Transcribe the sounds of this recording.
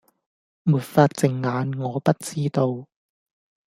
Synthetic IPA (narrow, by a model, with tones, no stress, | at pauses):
muː˨˩t̚faː˧t̚t͡sɪ˨˩ŋːaː˨˧nŋɔː˨˧pɐ˥t̚t͡siː˥t̪o˧w